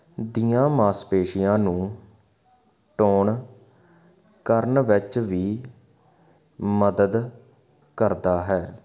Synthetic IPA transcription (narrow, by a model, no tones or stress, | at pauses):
d̪ijãːmaːspeːʃɪjãːnũː | ʈoːɳ | kəɾnʋɪt͡ʃʋiː | məd̪əd̪ | kəɾd̪aːɦɛː